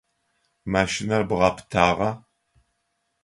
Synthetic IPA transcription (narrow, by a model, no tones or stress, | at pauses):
maːʃɪnɐrbɨʁɐpʰtʰaːʁɐ